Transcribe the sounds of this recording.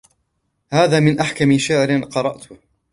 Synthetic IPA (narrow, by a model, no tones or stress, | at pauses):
haːðaːmɪnʔaħkamɪʃaʕɾɪnqɑɾˤɑʔt̪ʊ